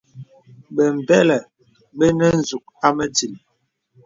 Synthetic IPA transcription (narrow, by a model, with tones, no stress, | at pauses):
ɓə˨m̩˨bɛ˦lɛ˨ | ɓə˦nə˦n̩˨zu˨k̚a˦mə˦d͡zi˨l